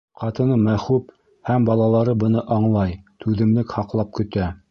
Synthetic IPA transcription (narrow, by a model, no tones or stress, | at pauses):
qɑt̪ɤ̆nɤmæχup | hæmbɑlˠɑlˠɑɾɤbɤ̆nɤʔɑɴlˠɑjt̪ʉðɘ̆mlɘkhɑqlˠɑp̚kɵ̆t̪æ